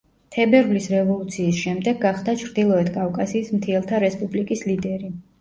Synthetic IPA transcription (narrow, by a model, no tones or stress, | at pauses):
t̪ʰɛbɛɾvlisɾɛvɔlˠut̪sʰiːsʃɛmd̪ɛɡaχd̪at͡ʃʰɾd̪ilˠɔɛt̪ʰkʼavkʼasiːsmt̪ʰiɛlˠt̪ʰaɾɛspʼublikʼislid̪ɛɾi